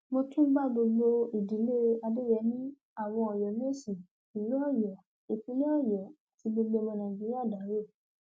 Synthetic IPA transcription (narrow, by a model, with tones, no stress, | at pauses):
mo˧tũ˦ɡ͡ba˦ɡ͡bo˧ɡ͡bo˧i˨di˨˦le˦a˧de˦jɛ˧˦nĩ˦ | a˦˨w̃ɔ̃˧ɔ˨jɔ˨mĩ˦e˦˨si˨ | i˨lu˦ɔ˦˨jɔ˨ | e˨pĩ˨˦lĩ˦ɔ˦˨jɔ˨a˨ti˨˧ɡ͡bo˧ɡ͡be˧mõ˧nã˨d͡ʒi˦i˦a˦˨da˨˦ɾe˦˨